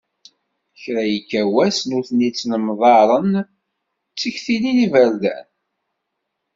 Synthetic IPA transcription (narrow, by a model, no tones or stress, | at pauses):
çɾæjəkːæwæsnuθnit͡sːnəmðˤɑɾˤən | t͡sːəçθininivəɾd̪æ̰n